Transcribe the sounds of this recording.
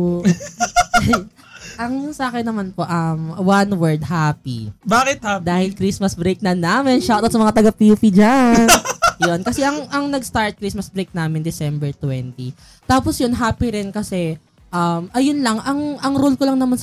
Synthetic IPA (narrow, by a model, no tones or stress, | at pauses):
ʔɐŋjʊnsɐaːkɛnːɐmanpo̞ʔɐmwanwɛɹd̪̚ɦaːpḭbaːkɪt̪ad̪aːhɪlkɾismɐsbɾejk̚nɐnaːmɪnʃawt̪ɐt̪sɐmɐŋat̪ɐɡɐpiupid͡ʒannjonkɐsɛʔɐŋʔɐŋnɐɡst̪aɹt̪̚kɾismɐsbɾejk̚naːmɪnd̪ɪsɛmbɛɹt̪wɛnt̪i | t̪aːposjʊnɦaːpiɾɪnkɐsɛ | ʔɐmʔɐjʊnlɐŋʔɐŋʔɐŋɾolkolɐŋnɐmans